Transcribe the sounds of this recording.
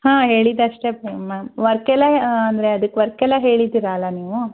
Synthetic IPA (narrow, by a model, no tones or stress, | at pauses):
hãːɦeːɭid̪ɐʂʈepemamʋɐɾkːɛlːɐɦɐnd̪ɐɾeɐd̪ɨkːʋɐɾkːɛlːɐɦe̞ːɭid̪iɾaːlːɐniːʋu